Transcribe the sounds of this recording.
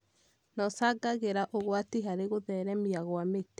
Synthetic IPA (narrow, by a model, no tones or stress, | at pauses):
nɔsaɡaɣeɾaʔoɣwatiɦaɾeɣoðɛɾɛmiaɣwamete